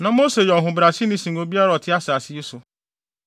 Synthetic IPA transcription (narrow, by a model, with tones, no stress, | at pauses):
nã˨mo˦se˨jɔ˨ɦʊ̃˨bɾa˨si˦nĩ˦si˨n˨o˦bi˦a˦ɾɔ˨tɪ˦a˦sa˨sɪ˦i˦sʊ˨